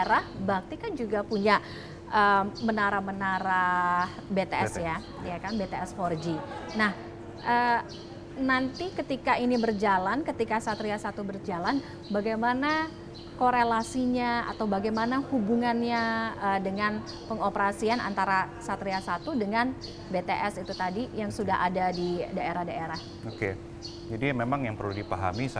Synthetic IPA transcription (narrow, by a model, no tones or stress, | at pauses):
ɾahbak̚t̪ikand͡ʒuɡapuɲaʔ | ʔəmənaɾahmənaɾahbet̪eɛsja | jakanbet̪eɛsfɔrd͡ʒinah | ʔə | nant̪ikət̪ikainibərd͡ʒalankət̪ikasat̪ɾiasat̪ubərd͡ʒalan | baɡajmana | koɾelasiɲaa̰t̪awbaɡajmanahubuŋanɲaədəŋan | pəŋopəɾasiana̰nt̪aɾasat̪ɾiasat̪udəŋan | bet̪eʔɛsit̪ut̪adijaŋsudaɦʔadadidaeɾahdaeɾah | oke | d͡ʒadimemaŋjaŋpərludipaɦa̰mis